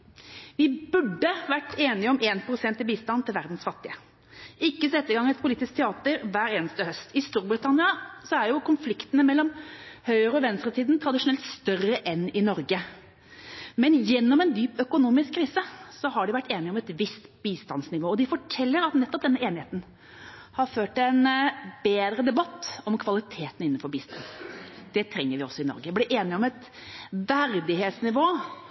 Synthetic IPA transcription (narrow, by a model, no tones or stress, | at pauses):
ʋɪbʉɖːəʋæʈːeːnɪɔmeːnpʰɾʊsɛnt̪ːɪbiːst̪ɑnt̪ʰːɪlʋæɾd̪n̩sfɑt̪ːɪə | ɪkːəsɛt̪ːəɡɑŋːɛt̪̚pʰʊliːt̪ɪskt̪ʰɛɑːt̪əɾʋæːɾeːnəst̪əhœst̪ʰɪst̪uːɾbɾɪt̪ʰɑnɪɑsɔæɾjʊkʊnflɪkt̪ənəmɛlːɔmhœʏəɾəɔʋɛnst̪ɾət̪ʰiːd̪n̩t̪ʰɾɑd̪ɪʂʊnɛlt̪st̪œrəʔɛnːɪnɔɾɡə | mɛnjɛnːɔmɛnd̪yːpœkʊnuːmɪskʰːɾiːsəsɔɦɑɖɪʋæʈːeːnɪɔmɛt̪ʋɪst̪biːst̪ɑnsnɪʋoːɔd̪ɪfɔʈʰɛlːəɾɑt̪nɛt̪ːɔp̚d̪ɛnːəeːnɪheːt̪n̩ | hɑɾføːʈɛnbeːd̪ɾəd̪ɛbɑt̪ːɔmkʰʋɑlɪt̪ʰeːt̪nɪnːn̩fɔɾbiːst̪ɑ̰nd̪̥ɛt̪ʰɾɛŋːəɾʋɪɔsːɔɪnɔ̰ɾɡəblɪʔeːnɪɔmɛt̪ | ʋæɾd̪ɪheːt̪snɪʋoː